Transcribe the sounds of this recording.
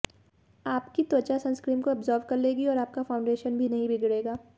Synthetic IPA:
aːpkit̪oːt͡ʃasɐ̃nskɾiːmkoɐbzɔːɾʋkɐɾleːɡiɔːɾaːp̚kafʰaːʊɳɖeːʃənbʱinɐɦĩbʱɪɡɽeːɡaː

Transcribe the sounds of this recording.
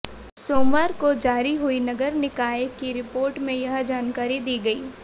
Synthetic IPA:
soːmʋaːɾkod͡ʒaːɾiɦʊinɐɡəɾnɪkaːekiɾɪpoːɾʈmẽjɐɦd͡ʒaːnkaːɾid̪iːɡɐiː

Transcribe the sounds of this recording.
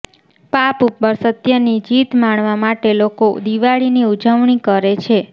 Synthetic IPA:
papupːəɾsət̪jənid͡ʒit̪maɳ̃ʋamaʈelokod̪iʋaɭiniud͡ʒəʋɳikəɾet͡ʃʰe

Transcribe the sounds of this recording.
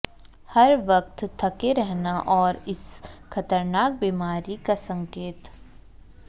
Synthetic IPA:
hɐɾʋɐk̚t̪t̪ʰɐkeɾɛɦnaʔɔːɾɪsxɐt̪əɾnaːk̚biːmaːɾikasɐ̃ŋkeːt̪

